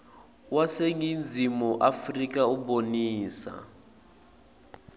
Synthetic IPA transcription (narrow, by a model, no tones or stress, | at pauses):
waseŋind͡zimuʔafrikʼauboniːsa̰